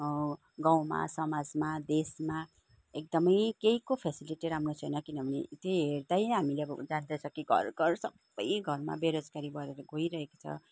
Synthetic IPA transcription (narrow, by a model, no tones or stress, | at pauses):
ʌ | ɡaw̃ma̰sʌmad͡zmad̪esma | ek̚d̪ʌmʌjkejkopʰesiliʈiɾamrot͡sʰʌjnʌkinʌbʱʌnḛt̪oɦerd̪ajɦamileʌbʌd͡zand̪asʰʌkiɡʱʌ̰rɡʌrsʌbːʌ̰jɡʱʌrma̰beɾod͡zɡaɾibʌɾeɾʌɡʱojɾʌɦeko̥t͡sʰʌ̰